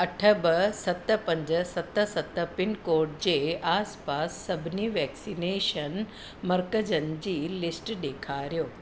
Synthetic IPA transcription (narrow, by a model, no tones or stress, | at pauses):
əʈʰəbəsɐt̪ːəpə̃ɲd͡ʑəsɐt̪ːəsət̪ːəpɪnkoːɾʈ̚d͡ʑeaːspaːsːəbʱniːʋɛksineːʃən | məɾkəd͡ʑənd͡ʑiːlɪsʈd̪eːkʰaɾjoː